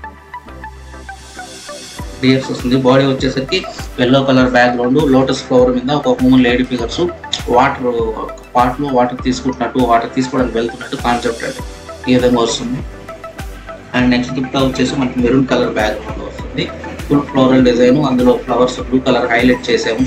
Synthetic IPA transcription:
ɖiepsost̪und̪ibaːɽiʋɐt͡ʃːeːsɐɾikiʋelːoːkɐlɐɾbaːd̪loːɳɖulo̞ːʈɐsʈplɐʋɐɾmind̪ɐɔkɐmuːnleːɖipiɡɐɾsuʋaːʈɐɾ | paːɾʈloːʋaːʈɐɾt̪iːsu̥kuɳʈunːɐʈːuʋaːʈɐɾt̪iːsukoːɽɐːnikiʋeɭut̪unːɐʈːukaːnsep̚ʈɐ̰ʈu | iːʋid̪ɐŋɡaːʋost̪und̪i | ɐnɖnekst̪upʈɐut͡ʃːe̞ːsimɐnɐkimeɾunkɐlɐɾbaːd̪oɳlṵːʋɐst̪und̪ipulploʋɾɐlɖid͡ʒɐjnuɐnd̪ulo̞ːplɐʋɐɾsubluːkɐlɐɾɦɐjleʈ̚t͡ʃeːseaːmu

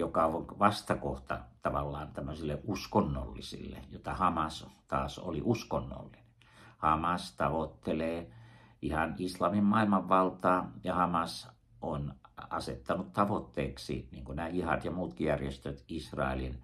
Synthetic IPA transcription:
jokɑonʋɑst̪ɑkoht̪ɑ̰t̪ɑʋɑlːɑːnt̪æmːøsilːeʔʔuskonːo̰lːḭsḭlːḛjot̪ɑhɑmɑst̪ɑːso̰lḭʔuskonːo̰lːine | hɑmɑst̪ɑʋot̪ːeleː | ihɑnislɑmimmɑilmɑʋʋɑlt̪ɑːjɑhɑmɑs | ʔonɑsḛt̪ːɑnut̪t̪ɑʋot̪ːeːksḭniːŋkunæːjihɑ̰t̪jɑmuːt̪kijærjest̪øt̪isrɑ̰ˑelin

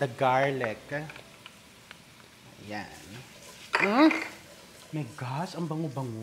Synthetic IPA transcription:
d̪̥ɐɡaɹlɛk | ʔɐja̰n̩ | mɐjɡasɐŋbɐŋobɐŋo

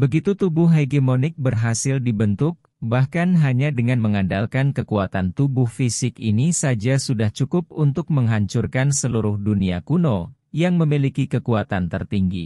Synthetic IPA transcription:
bəɡit̪ut̪ubʊɦɦeɡemonɪk̚bərɦasɪldibənt̪ʊk̚ | bahkanɦaɲadəŋanməŋadalkankəkuat̪ant̪ubʊhfisɪkinisad͡ʒasudaht͡ʃukʊp̚unt̪ʊk̚məŋɦaɲt͡ʃʊrkansəluɾʊhduniakuno | jaŋməmilikikəkuat̪ant̪ə̰rt̪iŋɡḭ

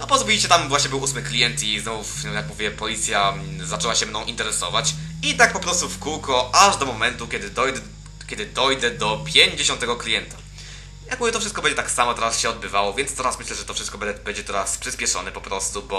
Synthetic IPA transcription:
nɔpɔzbujit͡ɕɛt̪amvwaɕɲɛbɘwusmɘklʲijɛnt̪iznɔvujakmuvʲjɛpɔlʲit̪sʲjazat͡ʂɛwaɕɛmnɔ̃w̃ʔint̪ɛɾɛsɔ̰vat͡ɕit̪ak̚pɔpɾɔst̪ufkuwkɔʔaʐd̪ɔmɔmɛnt̪ukʲɛd̪ɘd̪ɔjd̪ɛ | kʲɛd̪ɘd̪ɔjd̪ɛd̪ɔpʲjeɲd͡ʑeɕɔ̃nt̪ɛɡɔklʲijɛnt̪ḁ | jakmuvʲjɛt̪ɔfʂɘst̪̚kɔbɛɲd͡ʑɛt̪aksamɔt̪ɛɾasɕɛɔd̪̚bɘvawɔvʲjɛnt̪st̪ɛɾasmɘɕlɛʐɛt̪ɔfʂɘst̪̚kɔbɛɛbɛɲd͡ʑɛt̪ɛɾaspʂɨspʲjɛʂɔ̰nɛpɔpɾɔst̪ubɔ

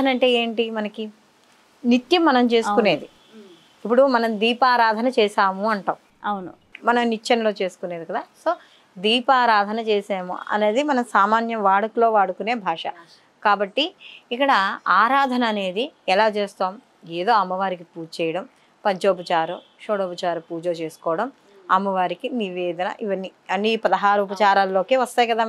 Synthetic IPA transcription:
ɐnɐɳʈe̞ːeːɳʈimɐnɐki | nit̪jɐmːɐnɐmt͡ʃe̞ːsukune̞ːd̪i | ip̬ːuɽumɐnɐmd̪iːpaːɾaːd̪ʱɐnɐt͡ʃɛːʃaːmuɐɳʈɐːm | wnu | mɐnɐmnit͡ʃt͡ʃːɐnɐlo̞ːt͡ʃe̞ːsu̥kuneːd̪ikɐd̪aːso̞ː | d̪iːpaːɾaːd̪ʱɐnɐt͡ʃeːsaːmṵɐ̰ne̞ːd̪imɐnɐmsaːmaːnjɐʋaːɽukulo̞ːʋaːɽukune̞ːbʱaːʂɐ | kaːbɐʈːiːkːɐɽɐaːɾaːd̪ʱɐnɐːne̞ːd̪iɛlaːt͡ʃeːst̪aːm | eːd̪o̞ːɐmːɐʋaːɾik̬ipuːd͡ʒt͡ʃɛːjɐɽɐm | pɐɲt͡ʃoːp̬ɐt͡ʃaːɾu | ʃoːɽoːpɐt͡ʃaːɾɐpuːd͡ʒoːt͡ʃeːsu̥kɔːɐɽɐm | ɐmːɐʋaːɾikiniʋeːd̪ɐnɐ̰ʔiʋɐnːiɐnːiːpɐd̪ɐɦaːɾuup̬ɐt͡ʃaːɾaːlːo̞ːkeːʋɐst̪ɐːjkɐd̪aː

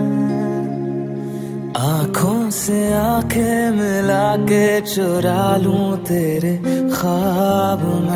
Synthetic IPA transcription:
aːkʰõseãːkʰemɪlaːket͡ʃoɾaːlũt̪eːɾexaːbm

